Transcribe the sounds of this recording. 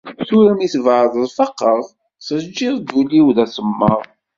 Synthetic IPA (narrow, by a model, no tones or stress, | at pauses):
θuɾæmiθvʕðˤəðˤfɑqːəʁ | səd͡ʒːiðˤɡuliwðæsəmːəʁˤ